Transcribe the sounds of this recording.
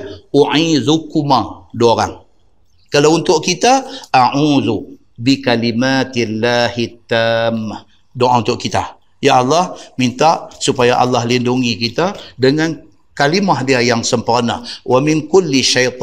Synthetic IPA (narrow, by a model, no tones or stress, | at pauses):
uʕizukumadoɾa̰ŋ | kalaunt̪ʊʔkit̪aʔaʕuːðu | bikalimat̪lːahit̪ːaːmːah | doʔaunt̪ʊʔkit̪a̰ | jaʔɑlːɑhmint̪aʔsupajaʔɑ̰lːɑhlinduŋikit̪adəŋan | kalimaɦdiajaŋsəmpurna̰wamɪŋkʊlːiʃajt̪ˤ